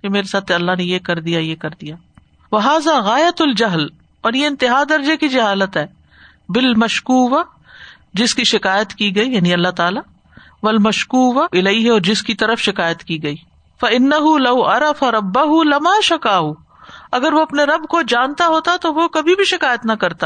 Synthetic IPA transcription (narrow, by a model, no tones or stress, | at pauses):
kemeːɾesaːt̪ʰɐlːaɦnejekɐɾd̪ijajekɐɾd̪ijaː | ʋɐɦaːzaːɣaːjɐt̪ld͡ʒɐɦl | ɔːɾjeɪ̃nt̪ɪɦaːd̪ɐɾd͡ʒekid͡ʒɐɦaːlət̪ɦɛː | bɪlmɐʃkuːʋa | d͡ʒɪskiʃɪkaːjət̪kiɡɐijaːniɐlːaɦt̪aːla | ʋɐlmɐʃkuːʋaɪlɐiɦɔːɾd͡ʒɪskit̪ɐɾəfʃɪkaːjət̪kiɡɐiː | fɐɪnːɐɦulɐwɐɾɐfaɾɐbːɐɦulɐmaːʃɐkaːɦu | ɐɡəɾʋoɐpneɾɐbkod͡ʒaːnt̪aɦoːt̪at̪oʋokɐbʱibʱiʃɪkaːjət̪nɐkɐɾt̪a